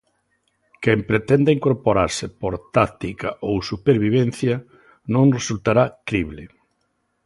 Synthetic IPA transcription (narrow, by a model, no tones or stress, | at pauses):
kempɾet̪ɛnd̪aiŋkoɾpoɾaɾsɪpoɾt̪akt̪ikaʔowsupeɾβiβ̞en̟θjɐ | nõŋresult̪aɾakɾiβlɪ